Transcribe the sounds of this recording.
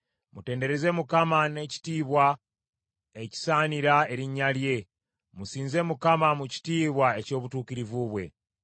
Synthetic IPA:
mute̞ːnde̞ɾe̞ze̞mukamane̞ci̥tiːβwa | eci̥saːniɾae̞ɾiɲːalje̞ | musiːnze̞ːmukamamuci̥tiːβwae̞co̞ːβutuːkiɾivuβwe̞̰

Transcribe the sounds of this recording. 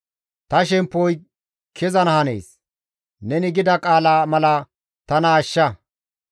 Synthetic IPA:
t̪ɐʃɛmpːɔj | kʰɛzɐnɐhɐnḛːs | nɛnɪɡɪd̪ɐkʼaːlaːmɐlɐ | t̪ɐnaːʃːɐ

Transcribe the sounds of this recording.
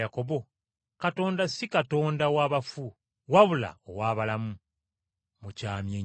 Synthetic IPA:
jako̞βo̞ | kato̞ːndasikato̞ːndawaːβafu | waβula̰o̰waːβalamu | mucaːmje

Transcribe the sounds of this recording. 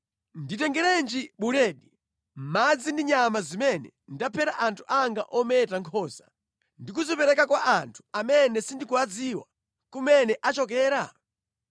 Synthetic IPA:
nditɛŋɡɛɾɛnd͡ʒiɓuɾɛːɗi | mad͡zindiɲamazimɛnɛ̰ | ndapʰɛɾaʔantʰu̥ʔaŋɡa̰ʔɔmɛtaŋkʰɔːza | ndikuzɔpɛɾɛkakwaʔantʰu̥amɛnɛsindikuwad͡ziwa̰ | kumɛnɛʔat͡ʃɔkɛːɾa

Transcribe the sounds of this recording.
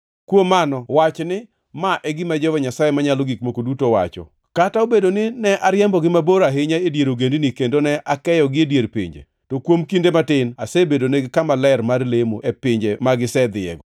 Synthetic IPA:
kwomanɔwat͡ʃnɪ | maʔɛɡɪmad͡ʒɔwɛɲasajemaɲaloɡikmokodutowa̰t͡ʃɔ̰ | kataobedonɪnɛʔaɾjɛmbɔɡɪmaboɾaɦɪɲaedjeɾoɡendɪnɪkendonɛʔakɛjɔɡɪedjeɾpɪ̰ɲd͡ʒḛ | tokwomkindematɪnasebedoneɡɪkamalɛɾmarlemoʔepɪɲd͡ʒemaɡɪsɛd̪ɪɛ̰ɡɔ

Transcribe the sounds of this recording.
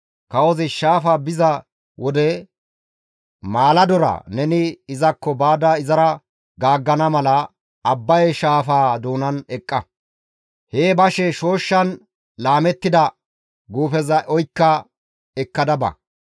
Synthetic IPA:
kɐwɔzɪʃaːfaːbɪzɐ | wɔd̪ɛ | maːlɐd̪ɔɾɐ̰nɛnɪɪzɐkːɔbaːd̪ɐɪzɐɾɐ | ɡaːɡːɐnɐmɐlɐː | bːɐjɛʃaːfaːd̪uːnɐnɛkʼːɐ | heːbɐʃɛʃo̞ːʃːɐn | laːmɛt̪ːɪd̪ɐ | ɡuːfɛzɐʔɔjkːɐ | ɛkːɐd̪ɐbɐ̰

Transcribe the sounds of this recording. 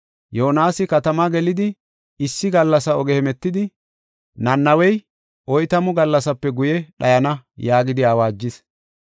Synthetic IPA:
joːnaːsɪkɐt̪ɐmaɡɛlɪd̪ɪ | ɪsːɪɡɐlːɐsɐɔɡɛhɛmɛt̪ːɪd̪ɪ | nɐnːɐwɛj | ʔɔjt̪ɐmʊɡɐlːɐsɐpːɛɡʊjɛɗɐjɐnɐjaːɡɪd̪ɪaːwaːd͡ʒːɪs

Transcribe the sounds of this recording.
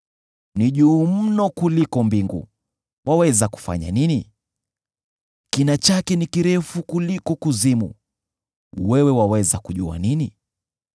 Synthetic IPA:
niʄuːm̩nɔkulikɔmbiŋɡṵ | wʔawɛzaku̥fa̰ɲa̰nini | kinat͡ʃakɛnikiɾɛfukulikɔkuzimṵ | wɛwɛwawɛzakuʄua̰nini

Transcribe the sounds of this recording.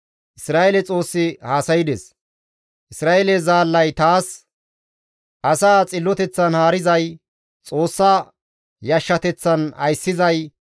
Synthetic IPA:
ʔɪsɾaːʔelɛt͡sʼo̞ːsːɪhaːsɐjɪd̪ɛs | ʔɪsɾaːʔelɛzaːlːɐjt̪aːs | ʔɐsaːt͡sʼɪlːɔt̪ɛt͡sːɐnhaːɾɪzɐj | t͡sʼo̞ːsːaː | jɐʃːɐt̪ɛt͡sːɐnɐ̰jsːɪzɐj

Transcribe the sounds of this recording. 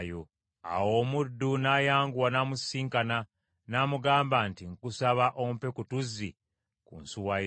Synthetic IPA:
jo | a̰wo̞ːmudːunajaːŋɡuwanamusiːŋkana | namuɡaːmbaːntiŋkusaβaʔompe̞kutuzːi | kṵnsuwa

